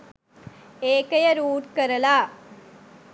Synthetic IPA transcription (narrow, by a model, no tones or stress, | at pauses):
eːkɐjɐɾuːʈkɐɾɐlaː